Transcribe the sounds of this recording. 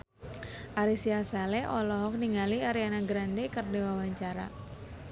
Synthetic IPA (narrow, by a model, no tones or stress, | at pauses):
ʔaɾisiasalɛʔɔlɔɦɔk̚niŋaliaɾianaɡɾandekərdewawaɲt͡ʃaɾa̰